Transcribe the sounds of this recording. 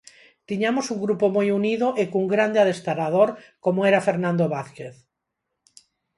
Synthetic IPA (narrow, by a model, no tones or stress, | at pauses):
t̪iɲamosuŋɡɾupomojuniðoʔekuŋɡɾand̪eaðest̪aɾað̞oɾkomoeɾafeɾnãnd̪oβaθkeθ